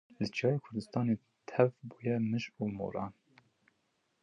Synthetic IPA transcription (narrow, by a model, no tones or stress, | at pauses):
lɨt͡ʃʰijɑːjeːkʰʊɾd̪ɨst̪ɑːne | t̪ʰɛvbuːjɛmɨʒuːmo̰ːɾɑ̰ːn